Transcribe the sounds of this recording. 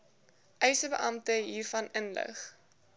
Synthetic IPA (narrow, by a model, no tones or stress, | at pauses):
ʔœjsəbəʔɐmtəɦiːrfɐnənlə̰χ